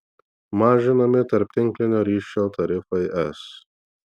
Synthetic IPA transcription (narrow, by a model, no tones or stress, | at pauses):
mɑːʒʲɪnɐmʲɪt̪ɐɾʲpʲt̪ʲɪŋʲklʲɪnʲoːɾʲiːʃʲoːt̪ɐɾʲɪfɐɪʔɛs